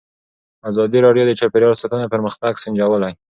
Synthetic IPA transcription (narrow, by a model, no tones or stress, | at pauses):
azɑd̪iɾɑɖjod̪ət͡ʃapeɾjɑɾsat̪unapəɾməxt̪aɡsɪnd͡ʒawəlaj